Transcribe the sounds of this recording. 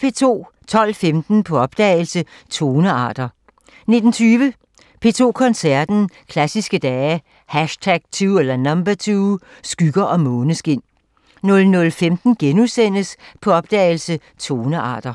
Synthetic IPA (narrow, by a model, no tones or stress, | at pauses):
pʰe̝t͡sʰo̝̰ː | t͡sʰɒ̽l̰femd̥n̩pʰɒ̽ɒ̽b̥̚d̥ɛ̰ːɪl̩sə | t͡sʰo̝ːnəɑ̈ːd̥ɐ | ne̝d̥n̩t͡sʰyːʋə | pʰe̝ːt͡sʰo̝̰ːkʰɒ̽nsæɐd̥n̩kʰlæsisɡ̥əd̥ɛː | hæʃt͡sʰæɡ̥̚t͡sʰuːelɐnɑmb̥æt͡sʰuː | sɡ̥yɡ̥ɐʔɒ̽mɔ̽ːnəsɡ̥e̝n̰ | nɔ̽lnɔ̽lfemd̥n̩ɡ̥enusen̰əspʰɒ̽ɒ̽b̥̚d̥ɛ̰ɪlsə | t͡sʰo̝ːnəʔɑ̰̈ːd̥ɐ